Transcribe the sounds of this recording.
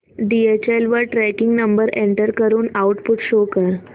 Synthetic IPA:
ɖiet͡ɕelʋəʈɾækiŋɡnəmbəɾeɳʈəɾkəɾuːnauʈpuʈɕokəɾ

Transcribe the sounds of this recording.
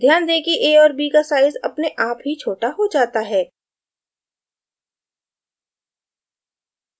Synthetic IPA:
ɡjãːnd̪eːkiʔeːɔːɾbiːkasaːɪzɐ̰pneʔaːpɦit͡ʃʰoːʈaɦod͡ʒaːt̪aɦɛː

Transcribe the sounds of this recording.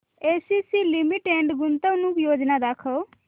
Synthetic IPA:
esisilimiʈeɳɖɡunt̪əwnũkjod͡ʒnad̪akʰɔ

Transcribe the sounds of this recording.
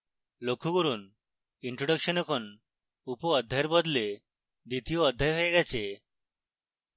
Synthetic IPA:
lokʰuɡuɾun | iɳʈɾoɖʌkʃɔnɔkʰɔn | upɔːd̪ʱːajeɾbɔd̪le | d̪it̪ijoɔd̪ʱːajɦojeɡɛt͡ɕʰe

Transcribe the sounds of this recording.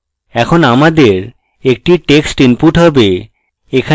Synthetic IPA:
ɛkʰonamad̪eɾ | ek̚ʈiʈeksʈimpuʈɦɔbe | ekʰa

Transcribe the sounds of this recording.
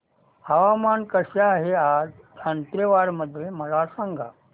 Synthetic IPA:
haʋamankəɕjaːɦead͡z | ənt̪ɾeʋaɾməd̪ʱjem̤əlasãŋɡʱa̰

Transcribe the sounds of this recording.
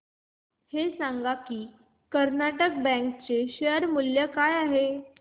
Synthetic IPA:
hesaŋɡakiː | kəɾnaʈək̚bɛ̃ŋkt͡seɕeəɾmuljəkajaɦe

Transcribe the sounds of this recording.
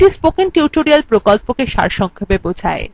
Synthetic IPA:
ʈispokinʈiuʈoɾialpɾokɔlpokeʃa̰ɾʃɔŋkʰobebod͡ʑʰa̰e

